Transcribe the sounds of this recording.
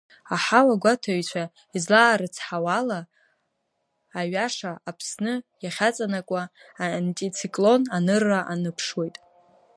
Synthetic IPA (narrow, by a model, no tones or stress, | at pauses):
aħawaɡʷatʰaɥt͡ɕʷʰa | izlaːɾɨt͡sʰħawala | ɥaʂaapʰsnɨjaχʲat͡sʼanakʷʼaantʼit͡sʰikʼlo̞nanɨrːaʔanɨpʰʂwe̞jtʼ